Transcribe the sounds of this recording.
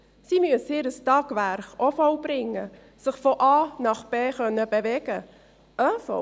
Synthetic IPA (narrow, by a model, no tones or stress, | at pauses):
simyəshiːɾəstɑːɡ̥væɾχɔfɔwb̥ɾɪŋːə | sɪχfɔʔɑːnɑχb̥eːχœnːəbevɛɡ̥ə | ʔœfɔ̰